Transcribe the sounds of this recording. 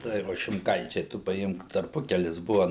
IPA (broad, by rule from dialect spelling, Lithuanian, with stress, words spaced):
ˈtɐɪ ʋɐ ʃʲɪmˈkɐɪt͡ʃʲɛɪ tʊ pɐˈɪmk tɐrˈpʊkʲɛlʲɪs ˈbʊʋɐ